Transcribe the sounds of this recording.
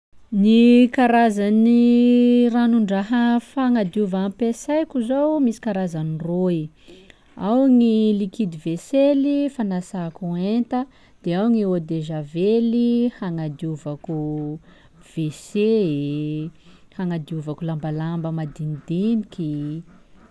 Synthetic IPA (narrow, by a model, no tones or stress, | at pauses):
nikaɾazani | ranuɳɖ͡ʐaɦafaŋad̪iuvampesajkʲuzowmisi̥kaɾazaniroi | awŋilikid̪iveselifanasakuent̪ə | d̪̥eawŋiod̪eʒavelihaŋad̪iuvaku | v̥ese | haŋad̪iuvakulambalambəmad̪inid̪iniki